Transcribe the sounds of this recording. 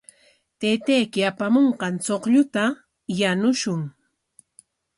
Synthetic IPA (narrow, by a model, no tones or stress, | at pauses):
t̪ejt̪ajkɪapamoɴqɑnt͡soqʎʊt̪a | janʊʃʊŋ